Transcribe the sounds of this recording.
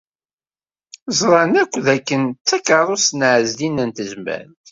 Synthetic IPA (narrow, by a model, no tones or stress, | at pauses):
zˤɾˤɑnækʷːðækːənt̪t͡sːækɑɾˤosnʕəzlinənt̪əzmæ̰nt̪